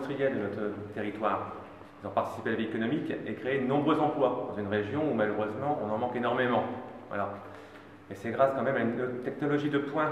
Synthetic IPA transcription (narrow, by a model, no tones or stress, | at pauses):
st̪χijɛld̪ənɔt̪χət̪eʁit̪waːʁ | uzɔ̃paʁt̪i̥si̥pealaviekɔnɔmikekχeed̪ənɔ̃bʁøzɑ̃plwad̪ɑ̃zynʁeʒjɔ̃umaløʁøzmɑ̃ːnɑ̃mɑ̃kenɔʁmemɑ̃a̰la | esɛɡʁaskɑ̃mɛmaynt̪ɛknɔlɔʒid̪əpwɛ̃